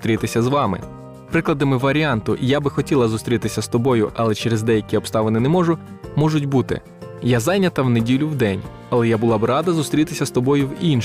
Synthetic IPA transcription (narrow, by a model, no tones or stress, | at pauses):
t̪ɾʲit̪ɪsʲɐzʋɑmɪ̰ | pɾɪklˠɐd̪ɐmɪʋɐɾʲiɑnt̪ʊʔjabɪxɔtʲilˠɐzʊst̪ɾʲit̪ɪsʲɐst̪ɔbɔjʊ̰ʔɐlˠɛt͡ʃɛɾezd̪ɛjɐkʲiɔpst̪ɑʋenɪnɛmɔʒʊ | mɔʒʊtʲbut̪ɪ̰ | jazɑjnʲɐt̪ɐwnedʲilʲʊwd̪ɛnʲ | ɐlˠɛjabʊlˠɑbɪɾɑd̪ɐzʊst̪ɾʲit̪ɪsʲɐst̪ɔbɔjʊwin